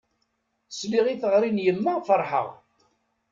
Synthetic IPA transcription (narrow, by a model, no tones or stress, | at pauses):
sliʁiθəʁɾinjəmːæfəɾˤħə̰ʁ